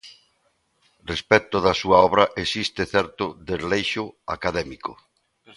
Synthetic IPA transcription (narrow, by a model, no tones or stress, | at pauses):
respɛt̪ʊðɐsuɐɔβ̞ɾɐʔesist̪eθɛɾt̪ʊðezlejʃʊa̰kaðɛmikʊ